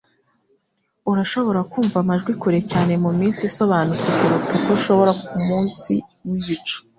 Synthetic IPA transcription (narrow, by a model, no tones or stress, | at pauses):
uɾaʃo̞βo̞ɾakuːɱvamaʒɡwikuɾe̞caːne̞mumiːnsiso̞βaːnut͡se̞kuɾutakoʃo̞βo̞ɾakumuːnsḭwiβit͡ʃu̥